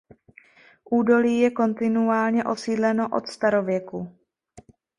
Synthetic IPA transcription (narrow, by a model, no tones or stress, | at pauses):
ʔuːdo̞liːjɛko̞nt̪ɪnuaːlɲɛʔo̞siːdlɛno̞ʔo̰t̪st̪aɾo̞vjɛku